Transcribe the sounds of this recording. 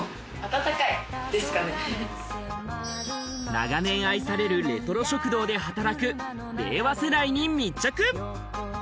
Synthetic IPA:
at̪at̪akaid̪̥e̞sɨ̥kane | na̰ɡanẽ̞ɰ̃aisaɾe̞ɾɯ̟ɾe̞t̪o̞ɾo̞ɕo̞kɯ̟d̪o̞ːd̪e̞ɦat̪aɾakɯ̟ | ɾe̞̰ːβaseɾaiɲ̟imʲit͡ɕːakɯ̟

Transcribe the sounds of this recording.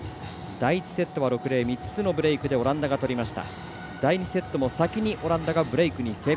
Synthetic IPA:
d̪̥ait͡ɕi̥se̞t̪ːo̞βaɾo̞kɯ̟ɾe̞ːmʲit͡sɨno̞bɯ̟ɾe̞ikɯ̟d̪e̞o̞ɾãnd̪aɡat̪o̞ɾʲimaɕi̥t̪a̰ | d̪̥aiɲ̟ise̞t̪ːo̞mo̞sakʲiɲ̟iʔo̞ɾãnd̪aɡabɯ̟ɾe̞ikɯ̟ɲ̟ise̞ː

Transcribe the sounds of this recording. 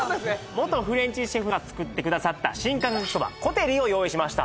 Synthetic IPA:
od̪esnemo̞t̪o̞ɸɯ̟ɾẽ̞ɲ̟t͡ɕiɕeɸɯ̟ɡat͡sɨ̥kɯ̟t̪ːe̞kɯ̟d̪asat̪ːaɕĩŋkãŋɡɯkt̪oba̰ko̞t̪e̞ɾʲio̞jo̞ːiɕimaɕi̥t̪a̰

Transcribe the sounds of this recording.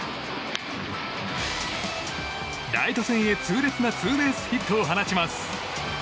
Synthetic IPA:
d̪ait̪o̞sẽɰ̃e̞t͡sɨːɾe̞t͡sɨnat͡sɨːbe̞ːsɨ̥çit̪ʰːoːɦanaɕimasɨ̥

